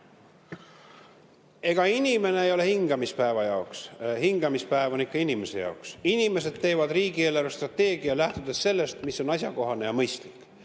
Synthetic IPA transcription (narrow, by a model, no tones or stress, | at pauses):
e̞ɡ̥ɑinime̞neejo̞le̞hiŋɡ̥ɑmispæevɑjɑokshiŋɡ̥ɑmispæevonikːˑɑinime̞se̞jɑ̰oksinime̞se̞d̪̥̚t̪ːe̞ːvɑd̪riːɡie̞ːlæɾɑst̪rɑt̪ːe̞ːɡ̥iɑlæht̪ud̪e̞sːe̞lːe̞st̪miso̞nɑs̬jɑko̞ɦɑne̞jɑmɤjst̪likˑ